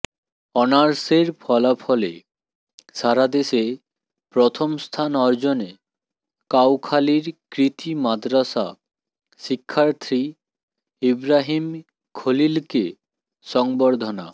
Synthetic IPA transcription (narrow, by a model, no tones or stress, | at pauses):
ɔnaɾseɾpʰɔlapʰɔlḛ | ʃaɾad̪eʃe | pɾɔt̪ʰomst̪ʰanɔɾd͡ʑone | kawkʰaliɾkɾit̪imad̪ɾasa | ʃikʰːaɾt̪ʰɾi | ibɾaɦim | kʰolilke | ʃɔŋboɾd̪ʱona̰